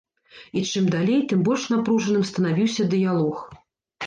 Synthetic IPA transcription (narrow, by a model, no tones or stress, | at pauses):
it͡ʂɨmd̪alʲejt̪ɨmbɔlʲʂn̪apɾuʐɐnɨmst̪ɐnavʲiwsʲɐd̪ɨjalˠɔx